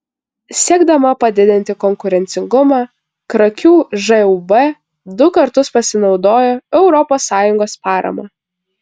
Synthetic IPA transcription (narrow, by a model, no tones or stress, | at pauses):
sʲiɛɡd̪ɐmɐpɐd̪ʲɪd̪ʲɪnʲt̪ʲɪkɔŋkʊɾʲɛnʲt̪sʲɪŋɡʊmɑː | kɾɐkʲuːʒɛubɛ | d̪ʊkɐɾt̪ʊspɐsʲɪnɒʊd̪oːjoːɛʊɾɔpoːsːɑːjʊŋɡoːspɑːɾɐ̰mɑː